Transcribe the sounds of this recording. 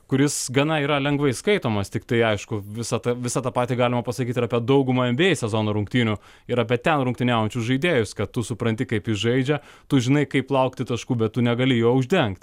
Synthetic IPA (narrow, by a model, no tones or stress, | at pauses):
kʊɾʲɪsɡɐnɐiːɾɐlʲɛŋɡʋɐɪskɐɪt̪oːmɐst̪ʲɪkt̪ɐɪɐɪʃkʊʋʲɪsɐt̪ɐʋʲɪsɑt̪ɑpɑːt̪ʲiɡɑːlʲɪmɐpɐsɐkʲiːt̪ɪɾɑːpʲiɛd̪ɐʊɡʊmɐɛmʲbʲeːjɪsʲɛzoːnoːɾʊŋkt̪ʲiːnʲʊ | ɪɾɑːpʲiɛt̪ʲɛnɾʊŋkt̪ʲɪnʲæːʊjɛnʲt͡ʃʲʊsʒɐɪd̪ʲeːjʊskɐt̪t̪ʊsʊpɾɐnʲt̪ʲɪkɐɪpɪʒɐɪd͡ʒʲɛt̪ʊʒʲɪnɐɪkɐɪplˠɐʊkt̪ʲɪt̪ɐʃkuːbʲɛt̪tʊnʲɛɡɐlʲɪjoːʊʒʲd̪ʲɛŋkt̪ʲ